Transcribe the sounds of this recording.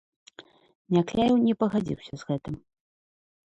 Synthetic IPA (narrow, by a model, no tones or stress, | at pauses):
nʲaklʲajwnʲɛpɐɣad͡zʲḭwsʲɐzɣɛt̪ɨm